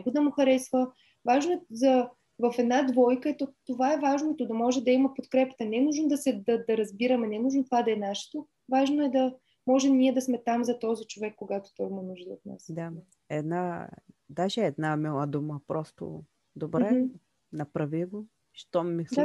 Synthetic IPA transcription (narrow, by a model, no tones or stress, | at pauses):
nɛɡod̪ɐmʊxɐɾɛsvə | vaʒnoɛzɐ | vɐfɛd̪nad̪vɔjkəɛt̪ɔt̪ovaɛvaʒnot̪od̪ɐmɔʒɛd̪ɐimɐpot̪kɾɛpə̥t̪ənɛnuʒnod̪ɐsɛd̪ɐd̪ɐɾɐzbiɾəmɛnɛnuʒnot̪ovad̪ɐɛnaʃɛ̥t̪o | vaʒnoɛd̪ɐ | mɔʒɛmniɛd̪ɐsmɛt̪amzɐt̪ɔzit͡ʃovɛkːoɡat̪o̥t̪ɔjmɐnuʒd̪əo̰t̪na̰sd̪a | ɛd̪nad̪aʒɛɛd̪namilˠəd̪uməpɾɔst̪o̰ | d̪obɾɛ | nɐpɾɐviɡo | ʃt̪ɔmixd̪a